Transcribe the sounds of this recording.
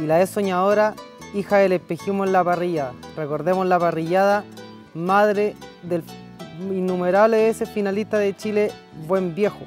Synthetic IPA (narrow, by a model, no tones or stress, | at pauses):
ilaesːo̞ɲaðo̞ɾa | ixaðelepeximoenlapariʝaðareko̞ɾðe̞moslapariʝaða | maðɾeðel | inːumeɾaβleβesesfinalit̪aðet͡ʃile | bwe̞mbje̞xo